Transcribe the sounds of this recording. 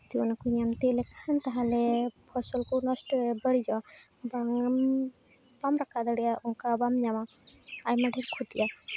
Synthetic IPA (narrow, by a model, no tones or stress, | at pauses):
t̪iwanakuɲamt̪elɛkaant̪aɦalɛpʰɔsɔlkɔnɔstɔbəɽizawa | baŋ | bamɾakʰad̪aɽijaʔɔŋkabamɲama | ajmaɖʱiɾkʰut̪ija